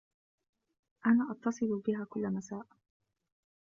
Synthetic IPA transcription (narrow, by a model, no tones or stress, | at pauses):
ʔanaːʔɑt̪ːɑsˤɨlʊbɪɦaːkʊlːamasaːʔ